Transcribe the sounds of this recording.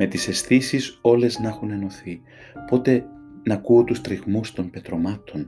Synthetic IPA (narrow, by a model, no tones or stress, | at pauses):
me̞t̪ise̞sθisiso̞le̞znɐxune̞no̞θi | po̞t̪e̞nɐkuot̪ust̪ɾiɣmust̪o̞mpe̞t̪ɾo̞mɐt̪ʰo̞n